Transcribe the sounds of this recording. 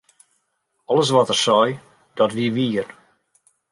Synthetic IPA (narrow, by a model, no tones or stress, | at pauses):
ɔlˠəs̬ʋɔtərsɔj | d̥ɔtʋiʋiər